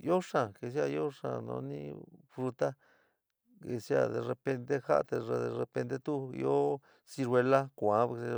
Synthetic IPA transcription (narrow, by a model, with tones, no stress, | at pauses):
jo˦ʂã˨ke˧s̬ja˧jo˦ʂa̰˧˨nõ̰˧˦nḭ̃˦fɾu˧t̪a˦ | ke˧sja̰˧ðe˧re˧pe˧nt̪e˦ha˦˧t̪e˧ʐe˧ðe˧re˧pe˧nt̪e˦t̪u˦˧jo˦ | si˧ɾwe˧la˦kʷã˨˦˧